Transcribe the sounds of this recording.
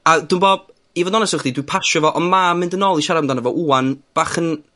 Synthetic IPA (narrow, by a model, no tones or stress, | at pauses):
adwuːnboːb̚ | ivɔnɔnɛsɔχdidwipʰaʃɔvɔʔɔnmamɪndənɔːlˠiʃaɾamdanəvɔʔuːanb̥aχən